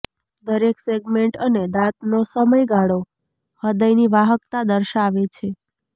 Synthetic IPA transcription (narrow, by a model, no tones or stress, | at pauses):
d̪əɾekseɡmeɳʈəned̪at̪nosəməjɡaɽo | həd̪əjniʋaɦəkt̪ad̪əɾʃaʋet͡ʃʰe